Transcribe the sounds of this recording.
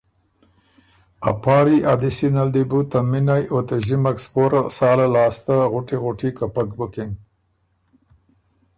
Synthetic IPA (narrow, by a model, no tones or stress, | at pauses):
a̰pɑːɾiʔad̪ɪsinald̪ibut̪amːinajot̪aʒimakspoɾasɑːlalɑːst̪aɣʊʈiɣʊʈikapakbʊkɪŋ